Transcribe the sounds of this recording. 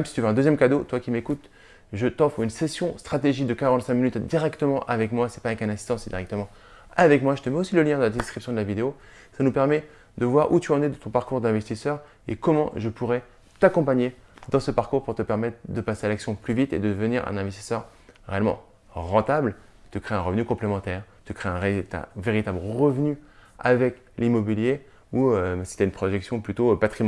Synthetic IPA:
ɛmsi̥t̪yvøɛ̃d̪əzjɛmkad̪ot̪wakʲimekut̪ | ʒət̪ɑ̃foynsesjɔ̃st̪χat̪eʒid̪əkaʁɑ̃t̪sɛ̃kminyt̪d̪iʁɛkt̪əmɑ̃ʔavɛkmwasɛ̥pavɛkɛ̃nɛ̃si̥st̪ɑ̃sɛd̪iʁɛk̚t̪əmɑ̃ | avɛkmwaʒət̪əmɛosiləljɛ̃d̪əlad̪ɛskχipsjɔ̃d̪əlavid̪eo | sanupɛʁmɛ | d̪əvwaʁut̪yɑ̃nɛd̪ət̪ɔ̃paʁkuʁd̪ɛ̃vɛst̪isœʁ | ḛkɔmɑ̰̃ʒəpuʁɛ | t̪akɔ̃paɲed̪ɑ̃səpaʁkuʁpuʁt̪əpɛʁmɛt̪χd̪əpasealaksjɔ̃plyvit̪ḛd̪əd̪əvəniʁɛ̰̃nɛ̃vɛst̪i̥sœʁʁeɛlmɑ̰̃ | ʁɑ̃t̪abl | t̪ykχeɛ̃ʁəvnykɔ̃plemɑ̃t̪ɛʁ | t̪ykχeɛ̃ʁet̪ɛ̰̃veʁit̪ablʁəvnya̰vɛk | limɔbilje | uøsi̥t̪ɛynpχɔʒɛksjɔ̃plyt̪opat̪χim

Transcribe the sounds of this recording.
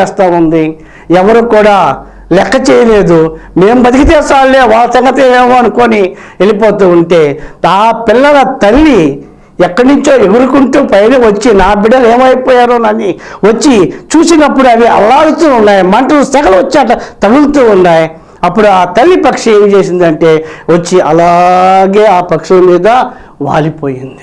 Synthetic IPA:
ɛːst̪aːund̪i | ɛʋɐɾukuːɽaː | lɛkːɐt͡ʃɛːjɐleːd̪ume̞ːmubɐd̪ikit̪ɛːsaːlːeːʋaːlːɐsɐŋɡɐt̪ieːmoːɐnukoni | e̞lip̬oːt̪uːuɳʈe̞ːaːpɪlːɐɡɐt̪ɐlːi | ɛkːɐɽnuɲt͡ʃo̞ːeɡuɾukuɳʈuːpɐjneʋɐt͡ʃːinaːbiɽɐle̞ːmɐjpɔːjaːɾoːnɐnːiʋɐt͡ʃːit͡ʃuːsinɐpːuɽuɐd̪iɐ̰laːɐɽut̪uːunːaːjimɐɳʈɐlusɛːkɐlɐʋɐt͡ʃːiaʈɐt̪ɐɡult̪uːunːaːji | ɐpːuɽuaːt̪ɐlːipɐkʂɐeːmt͡ʃe̞ːsind̪ɐɳʈe̞ːʋɐt͡ʃːiʔɐlaːɡe̞ːaːpɐkʂɐlɐmiːd̪ɐ | ʋa̰ːlipoːjind̪i̥

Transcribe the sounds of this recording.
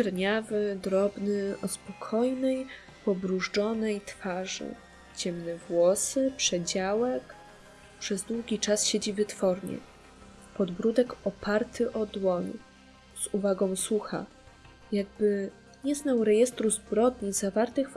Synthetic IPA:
ɛɾɲavɘd̪ɾɔbnɘʔɔspɔkʰɔjnɛj | pɔbɾuʐd͡ʐɔnɛjt̪faʐɘ̰ | t͡ɕɛmnɛvwɔsɘpʂɛd͡ʑawɛk | pʂɛzd̪wuɡʲit͡ʂasɕed͡ʑivɘt̪fɔɾɲɛ̰ | pɔd̪bɾud̪ɛkɔpʰaɾt̪ʰɘʔɔd̪wɔɲ | z̥uvaɡɔ̃w̃suxa̰ | jaɡ̚bɘ | ɲɛznawɾɛjɛst̪ɾuzbɾɔd̪̚ɲizavaɾt̪ɘxf

